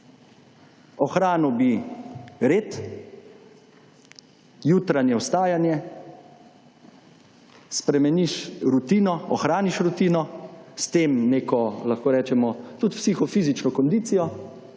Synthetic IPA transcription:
ɔxɾaːnɔbi | ɾeːt̪ | juːt̪ɾanjɛwst̪aːjanjɛ | spɾɛmɛniʃɾut̪iːnɔɔxɾaːniʃɾut̪iːnɔst̪eːmneːkɔlaxkoːɾɛːt͡ʃɛmɔt̪ut̪psixɔfiːzit͡ʃnɔkɔnd̪iːt̪sijɔ

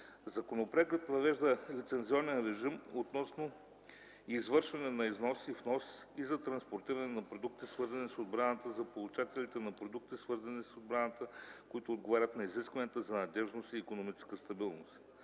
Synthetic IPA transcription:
zɐkonopɾaɡət̪vɐvɛʒd̪əlit̪sɛnziɔnɛnɾɛʒimot̪nɔsno | izvɤɾʃvɐnɛnɐiznɔsifnɔs | izɐt̪ɾɐnspoɾt̪iɾɐnɛnɐpɾod̪uk̚t̪isvɤɾzɐnisod̪̚bɾanət̪əzɐpolˠut͡ʃat̪ɛlit̪ɛnɐpɾod̪uk̚t̪isvɤɾzɐnisod̪̚bɾanət̪əkoit̪ʊːd̪̚ɡovaɾʲət̪nɐiziskvɐnʲiət̪əzɐnɐd̪ɛʒnosiːkonomit͡ʃɛ̥skəst̪ɐbilˠnost̪

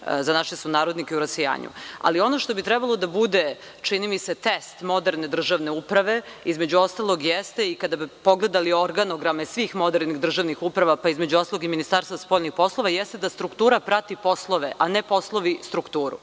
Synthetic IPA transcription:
zanaʃesunaːɾo̞d̪nikeuɾaseja̰ːɲṵa̰lio̞no̞ʃt̪o̞bit̪ɾɛbalˠo̞d̪abud̪e | t͡ʃinimise̞t̪est̪mo̞d̪eɾne̞d̪r̩ʒaʋne̞upɾaʋe̞izme̞d͡ʑuo̞st̪alˠo̞ɡjɛst̪e̞ikad̪abipo̞ɡle̞d̪alio̞ɾɡanoɡɾamesʋixmo̞d̪eɾniɣd̪r̩ʒaʋnixupɾaʋapaizme̞d͡ʑuo̞st̪aloɡiminist̪aɾsvaaspo̞ʎnixpo̞slˠo̞ʋajɛst̪ed̪ast̪ɾukt̪uːɾapɾat̪ipo̞slˠoʋeʔanepo̞slˠo̞ʋist̪ɾukt̪uːɾṵ

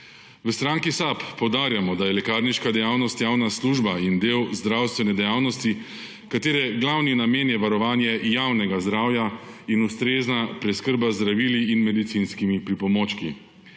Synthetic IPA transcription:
ʋəst̪ɾaŋkisapːɔwd̪aːɾjamɔd̪ajɛlɛkaːɾniʃkad̪ɛjaːwnɔst̪jaːwnasluːʒbaind̪eːwzd̪ɾawst̪ʋɛnɛd̪ɛjaːwnɔst̪i | kat̪eːɾɛɡlawninameːnjɛʋaɾɔʋaːnjɛjawnɛɡazd̪ɾaːwja | inust̪ɾeːznapɾɛskəɾbazd̪ɾaʋiːliːnmɛd̪it̪sinskimipɾipɔmoːt͡ʃkḭ

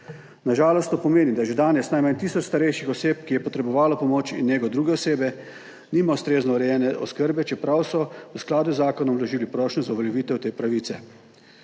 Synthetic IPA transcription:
naʒaːlɔst̪oːpɔmeːnid̪aʒɛd̪aːnɛsnajmant̪iːsɔt͡ʃst̪aɾɛjʃixɔseːpkijɛpɔt̪ɾɛbɔʋaːlɔpɔmoːt͡ʃḭnjeːɡɔd̪ɾuːɡɛɔseːbɛ | niːmawst̪ɾeːznɔwɾɛjɛːnɛʔɔskəɾbɛt͡ʃɛpɾawsɔsklaːd̪uzːaːkɔnɔmlɔʒiːlipɾɔːʃnɛzauʋɛljɛʋiːt̪ɛwt̪eːpɾaʋiːt̪sɛ

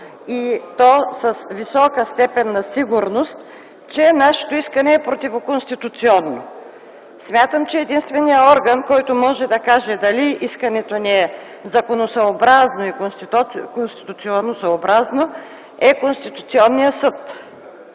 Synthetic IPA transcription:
it̪ɔsɐsvisɔkəst̪ɛpɛnːɐsiɡuɾnost̪ | t͡ʃɛnaʃɛ̥t̪oiskɐnɛːpɾot̪ivokonst̪it̪ut̪siɔnːo | smʲjat̪əmt͡ʃɛːd̪inst̪vɛnijəɔɾɡənkɔjt̪omɔʒɛd̪ɐkaʒɛd̪ɐliiskɐnɛt̪oniɛ | zɐkonosɐobɾaznoikoskonst̪i̥t̪ut̪sionːosɐobɾazno | ɛkonst̪it̪ut̪siɔnːijəsət̪

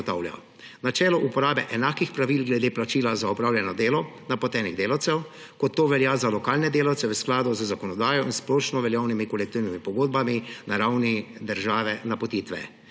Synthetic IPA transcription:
t̪a̰wlja̰ | nat͡ʃɛːlɔʔupɔɾaːbɛʔɛnaːkixpɾaʋilɡlɛd̪eːplat͡ʃiːlazaɔpɾaːwljɛnɔd̪eːlɔnapɔt̪ɛniɣd̪eːlawt̪sɛw | kɔt̪ːoːʋɛljaːzalɔkaːlnɛd̪eːlawt̪sɛʋəsklaːd̪ɔzəzakɔnɔd̪aːjɔʔinsplɔʃnɔʋɛljawnimikɔlɛk̚t̪iːwnimipɔɡoːd̪̚baminaɾawnid̪əɾʒaːʋɛnapɔt̪iːt̪ʋɛ̰

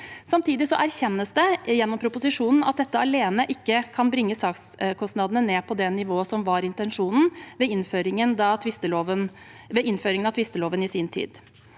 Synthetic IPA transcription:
sɑmt̪ʰiːd̪ɪsɔʔæɾçɛnːəsd̪ɛjɛnːɔmpʰɾʊpʊsɪʂuːnn̩ɑt̪̚d̪ɛt̪ːəɑleːnəʔɪkːəkʰɑnbɾɪŋːəsɑːkskʰɔst̪nɑd̪ənəneːpʰɔd̪ɛnɪʋoːəsɔmʋɑɾɪnt̪ɛnʂuːnn̩ʋɛɪnføːɾɪŋənd̪ɑt̪ʰʋɪst̪əloːʋən | ʋɛɪnføːɾɪŋənɑt̪ʰʋɪst̪əloːʋənɪsɪːnt̪ʰḭːd̪

